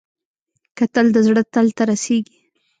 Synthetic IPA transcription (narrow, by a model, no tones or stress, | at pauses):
kat̪əld̪əzɽət̪əlt̪aɾaseɡi̥